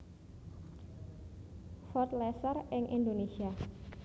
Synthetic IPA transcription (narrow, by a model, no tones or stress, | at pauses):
fɔt̪̚lɛsərɪŋʔḭnd̪onesia